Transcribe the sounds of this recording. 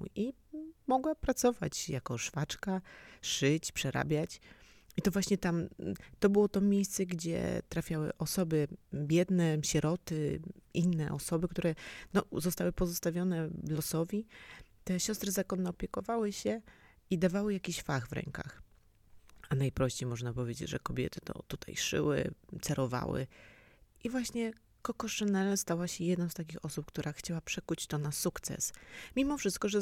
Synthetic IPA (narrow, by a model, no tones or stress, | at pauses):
i | mɔɡwapɾat̪sɔva̰t͡ɕjakɔʂfat͡ʂkaʂɘt͡ɕpʂɛɾʔa̰bʲjat͡ɕ | it̪ɔvwaɕɲɛt̪amt̪ɔbɘwɔt̪ɔmʲjejst̪sɛɡd͡ʑɛ̰t̪ɾafʲjawɘ̰ʔɔsɔbɘbʲjɛd̪nɛɕɛɾɔt̪ɘʔinːɛʔɔsɔbɘkt̪uɾɛnɔzɔst̪awɘpɔzɔst̪avʲjɔnɛlɔsɔvʲit̪ɛɕɔst̪ɾɛzakɔnːɔːpʲjɛkɔvawɘɕɛ | id̪avawɘjakʲiɕfaɣvɾɛ̰ŋka̰x | anajpɾɔɕt͡ɕejmɔʐnapɔvʲed͡ʑḛd͡ʑʐɛkɔbʲjɛ̰t̪ɘ̥t̪ɔ̰t̪ut̪ʰa̰jʂɘ̰wɘ̰t̪sɛɾɔva̰wɘ̰ | ʔivwaɕɲɛ | kɔkɔʂɛnɛlst̪awaɕɛjɛd̪nɔst̪ak̬ʲixɔsup̚kt̪uɾʔaxt͡ɕawapʂɛkut͡ɕt̪ɔnasukt̪sɛ̰smʲimɔfʂɘst̪̚kɔʐɛ